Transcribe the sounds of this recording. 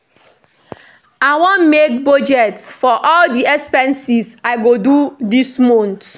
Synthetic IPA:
aɪwɔ̃nmek̚bɔd͡ʒɛtsfɔʔɔldiɛspɛ̃nsisaɪɡodudismõnt

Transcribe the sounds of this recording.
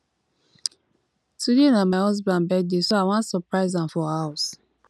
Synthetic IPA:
tʰudenamaɪhɔs̬bãnbɛd̚desoaɪwãntsɔpɹaɪzãmfɔhaʊs

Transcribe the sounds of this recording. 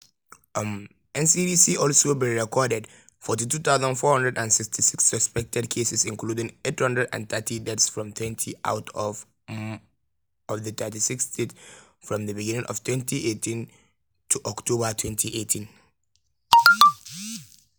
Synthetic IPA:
m | ɛ̃nsibisiʔɔlsobiɹɛkʰɔdɛd | fɔtitut̪aʊzə̃nfɔhʌ̃ndɹɛdæ̃nsɪkstʰisɪksːəspɛk̚tɛd̚kʰesɛsĩnkludĩŋethʌ̃ndɹədã̰nθɛtʰidɛtsfɹɔ̃mt̪ʰwɛ̃ntʰiʔa̰ʊt | ɔvðət̪ɜtisiksdet | fɹɔ̃mðəbiɡɪ̃nɪ̃ŋʔɔ̰v̥tʰwɛ̃ntʰiʔetʰĩn | tʰuʔɔktʰobətʰwɛ̃ntʰiʔetʰĩn

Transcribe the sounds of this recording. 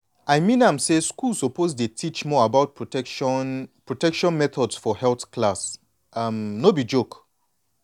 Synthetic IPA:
aɪmĩnãmseskulsɔpozdetʰit͡ʃmɔabaʊt̚pɹɛnpɹɔtɛkʃɔ̃nmɛt̪ʰɔdsfɔhɛlθklas | amnobid͡ʒok

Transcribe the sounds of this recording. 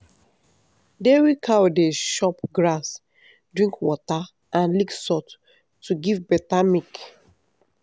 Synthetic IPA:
dewikʰawodeʃɔpɡɹas | dɹĩŋkwɔta | ãnliksɔt | tːuɡivbɛtamik

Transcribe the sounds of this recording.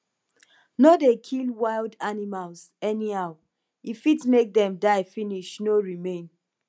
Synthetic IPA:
nɔdekʰilwaɪldanimalz | ɛniaʊ | ifitmek̚dɛ̃mdaɪfiniʃnoɹimẽn

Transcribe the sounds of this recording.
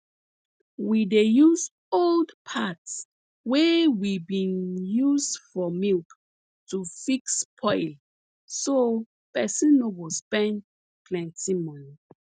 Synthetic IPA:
widejuz | oldpʰats | wɛwibĩnjuzdfɔmilk | tufikspʰɔjl | so | pɛsĩnobɔspɛ̃n | pʰlɛ̃ntĩmɔ̃n

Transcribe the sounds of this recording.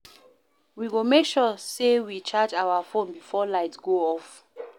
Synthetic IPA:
wiwomekʃɔsewit͡ʃʰad͡ʒawafõnbifɔlaɪtɡ̥oɔf

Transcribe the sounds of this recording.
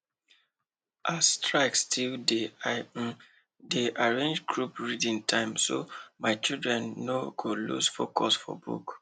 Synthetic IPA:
ʔastɹaɪkstʰilde | deʔaɹẽnd͡ʒɡɹupɹidĩntʰãɪ̃mso̰maɪt͡ʃildɹɛ̃nːoɡolṵsfokʰɔsfɔ̰bṵk

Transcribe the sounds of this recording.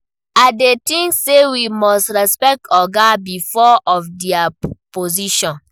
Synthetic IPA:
adetĩŋksewimɔstɹɛspɛk̚tʰɔɡabifɔɔfdiapoziʃɔ̃n

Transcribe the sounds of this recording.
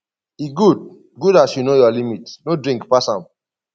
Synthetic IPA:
iɡud̚ | ɡudasjunojɔlimitnodɹĩŋkpasãm

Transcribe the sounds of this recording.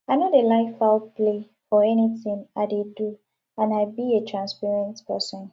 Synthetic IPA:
aɪnodelaɪfaple | fɔɛniθɪ̃ŋadedu | ãnaɪbietʰɹãnspaɹɛ̃ntpʰɛsɔ̃n

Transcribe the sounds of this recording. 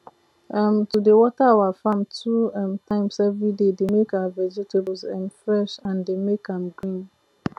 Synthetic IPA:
ɛmtudewɔtawafãmtʰuɛmtʰãɪ̃msɛvɾidedemekaavɛd͡ʒetʰebsɛ̃mfɾɛʃãndemekʰãmɡɾĩn

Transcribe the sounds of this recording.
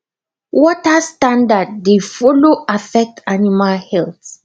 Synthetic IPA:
wɔtastãndad̚ːefɔloafɛk̚tʰanimalhɛlθ

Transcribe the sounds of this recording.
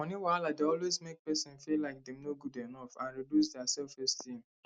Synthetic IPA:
ɔ̃niwaladeɔlwezmek̚pɛsɔ̃nfilaɪk̚dɛ̃mnoɡudɛnɔfãnɾidus̬dɛasɛlfɛstʰĩm

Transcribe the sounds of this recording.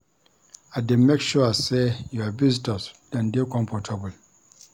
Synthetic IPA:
ademekʃuasejuabiztɔsdãndekɔ̃mpɔtʰabəl

